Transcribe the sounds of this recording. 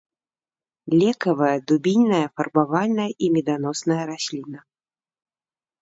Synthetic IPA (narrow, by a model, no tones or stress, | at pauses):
lʲɛkɐvɐjɐd̪ubʲinʲnɐjɐfɐrbavalʲnɐjɐʔimʲɛd̪anɔsnɐjɐɾasʲlʲinɐ